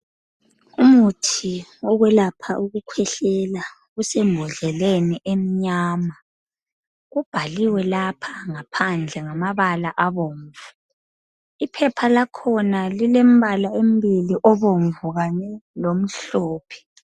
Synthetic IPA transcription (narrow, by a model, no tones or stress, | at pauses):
umutʰiɔɣwɛlapʰaʔuɣukʰwɛɬɛla | usɛmbʱɔɮɛleniʔem̩ɲaːma | ɣub̥ʱaliwɛlapʰaŋapʰand͡ɮʱɛŋamaβalaʔaβoːɱvu | ipʰɛpʰalakʰɔnalilem̩βalaem̩biliʔɔβoɱvuɣanɛlom̩ɬɔːpʰɛ̥